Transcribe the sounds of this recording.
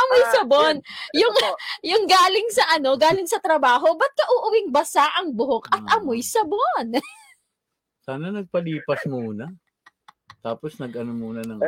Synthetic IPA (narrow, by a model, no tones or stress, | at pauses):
ʔɐmojsɐbonjʊŋjʊŋɡaːlɪŋsɐʔɐno̞ɡaːlɪŋsɐt̪ɾɐbaːɦo̞bɐt̪̚kɐʔʊːʔʊwɪŋbɐsaʔɐŋbʊɦokʔɐt̪̚ʔɐmojsɐbon | saːnɐnɐɡ̚pɐliːpɐsmuːnɐ | t̪aːposnɐɡʔɐnomuːnɐnɐŋ